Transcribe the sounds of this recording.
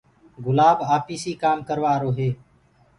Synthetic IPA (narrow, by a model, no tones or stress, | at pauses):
ɡʊlaːbaːpiːsiːkaːmkəɾʋaːɾoːɦeː